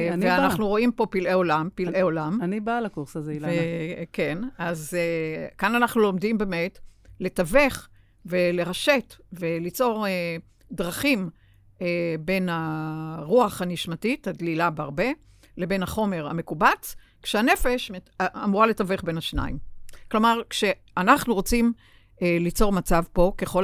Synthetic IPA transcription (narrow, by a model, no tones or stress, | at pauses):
nveanaχnuʁo̞impo̞pilʔeo̞lampilʔeo̞lamanibalakuʁsazeivekenazekananaχnulo̞mdimbeme̞tle̞tave̞χ | ve̞le̞ʁaʃe̞tve̞lit͡so̞ʁe | dʁaχim | ebe̞naʁuaχaniʃmatithadlilabeaʁbe̞ | le̞be̞nhaχo̞me̞ʁa̰me̞kubat͡s | kʃeane̞fe̞ʃme | amuʁale̞tave̞χbe̞nhaʃna̰imklo̞maʁkʃe | anaχnuʁo̞t͡sim | elit͡so̞ʁmat͡savpo̞keχo̞